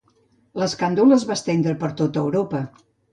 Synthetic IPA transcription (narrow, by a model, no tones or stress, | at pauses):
ləskand̪uləzβast̪end̪ɾəpəɾt̪ot̪əwɾopə